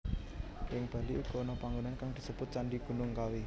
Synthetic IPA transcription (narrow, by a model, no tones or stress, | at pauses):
jɪŋb̥a̤liʔuɡ̥ɔnɔpaŋɡunankaŋd̪̥i̤səb̥ʊt̪̚t͡ʃanɖiɡ̥ṳnʊŋkawi